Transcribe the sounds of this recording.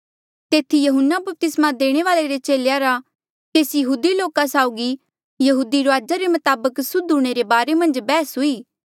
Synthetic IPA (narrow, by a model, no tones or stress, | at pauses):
t̪eːt̪ʰijɐɦʊnːabɐp̚t̪ɪsmad̪eːɽ̃eʋaːleɾet͡ʃeːlejaɾa | t̪eːsjɐɦuːd̪iloːkasaːʊɡi | jɐɦuːd̪iɾoaːd͡ʒaɾemɐt̪aːbəksʊd̪ʱuɽ̃eɾebaːɾemɐ̃nd͡ʒbɛːsɦʊiː